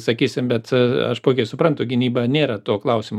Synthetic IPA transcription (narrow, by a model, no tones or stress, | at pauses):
sɐkʲiːsʲɪmbʲɛt̪ɐ̰ʃpoːkʲɛɪsʊpɾɐnt̪ʊɡʲɪnʲiːbɐnʲeːɾɐt̪oːklˠɐʊsʲɪmː